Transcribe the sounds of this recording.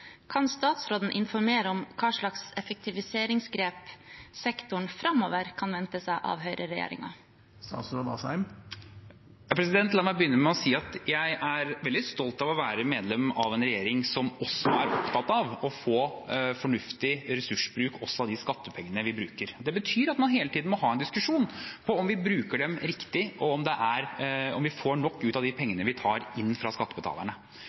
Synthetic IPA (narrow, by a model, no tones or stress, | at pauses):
kʰɑnst̪ɑːt̪sɾoːd̪n̩ʔɪnfɔɾmeːɾəɔmkʰɑːʂɭɑksɛfɛk̚t̪ʰɪʋɪseːɾɪŋsɡɾeːpsɛkt̪ʊɳfɾɑmːo̰ːʋəɾkʰɑnʋɛnt̪əsæɪʔɑ̰ʋɦœʏɾʔəɾɛjḛːɾɪ̰ŋɑ̰ | st̪ɑ̰ːt̪sɾoːd̪ɑ̰sæɪm | pʰɾɛsɪd̪ɛnt̪lɑmæɪbəjʏnːəɾmɛɔsiːɑt̪jæɪʔæɾʋɛld̪ɪst̪ɔlt̪ɑʋɔʋæːɾəmeːd̪lɛmɑʋɛnɾɛjeːɾɪŋsɔmɔsːɔæɾɔpt̪ʰɑt̪ɑʋɔfoːfɔɳʉft̪ɪɾɛsʉʂbɾʉːkɔsːɔɑʋd̪ɪskɑt̪ːəpʰɛŋːənəʋɪbɾʉːkəɾd̪ɛbət̪ʰyːɾɑt̪mɑnɦeːlət̪iːd̪nmɔɦɑːɛnd̪ɪskʉʂuːnpʰɔɔmʋɪbɾʉːkəɖɛmɾɪkt̪ɪɔɔmd̪ɛʔæɾɔmʋɪfoːɳɔkːʉːt̪ɑʋd̪ɪpʰɛŋːənəʋɪt̪ʰɑːɾɪnːfɾɑskɑt̪ːəbət̪ɑ̰ːlə̰ɳə